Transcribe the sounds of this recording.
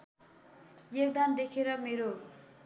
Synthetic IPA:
jek̚d̪and̪ekʰeɾʌmeɾo

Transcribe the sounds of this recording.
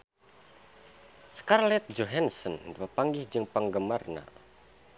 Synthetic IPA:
skarlɛt̪̚d͡ʒoɦɛnsɔndpəpaŋɡɪhd͡ʒɨŋpəŋɡəmarna̰

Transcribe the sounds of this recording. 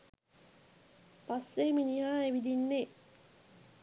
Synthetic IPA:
pasːeminiɦaːeʋid̪inːeː

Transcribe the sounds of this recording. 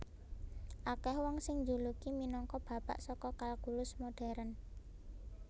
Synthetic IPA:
ʔakɛhwɔŋsɪŋɲd͡ʒulukiminɔŋkɔb̥ä̤pa̰ʔsɔkɔkalkulʊsmoɖ̥ɛ̤ɾən

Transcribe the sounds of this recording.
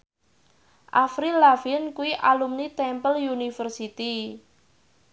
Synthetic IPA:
ʔafɾilafiənkuiʔalumnit̪ɛmpəljunifərsit̪i

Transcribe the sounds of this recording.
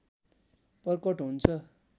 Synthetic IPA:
pʌrkʌʈɦunt͡sʰʌ

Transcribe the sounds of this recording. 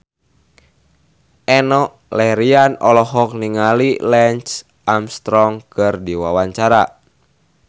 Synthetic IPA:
ʔɛnɔʔlɛɾianɔlɔɦɔk̚niŋalilɛnt͡ʃ | ʔamst̪ɾɔŋkɨrdiwawaɲt͡ʃaɾa

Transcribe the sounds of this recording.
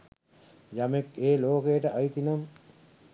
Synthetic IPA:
jɐmekeːloːkejəʈəʔɐjt̪inɐm

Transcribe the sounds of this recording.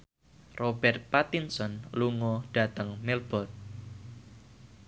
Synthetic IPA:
robɛrt̪̚pat̪insɔnluŋɔɖ̥a̤t̪əŋmɛlb̥ɔt̪̚

